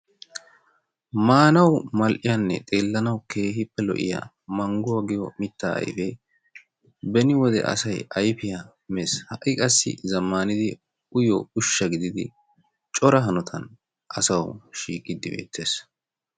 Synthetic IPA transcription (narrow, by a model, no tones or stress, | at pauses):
maːnɐwmɐlʔɪjanːɛ̰t̪ʼe̞ːlːɐnɐwke̞ːhɪpːɛlɔ̰ʔɪ̰ja̰ | mɐŋɡʊwɐɡɪjɔmɪt̪ːaːʔɐ̰jfɛ | bɛnɪwɔd̪ɛ̰ʔɐ̰sɐjɐjfɪja | meshɐʔɪkʼɐsːɪ̰zɐmːaːnɪd̪ɪ | ʊjɔʊʃːɐɡɪd̪ɪd̪ɪ̰ | t͡ʃʼɔɾɐɦɐnɔt̪ʰɐn | ʔɐsɐwʃiːkʼːɪd̪ːɪbe̞̰ːt̪ːe̞ːs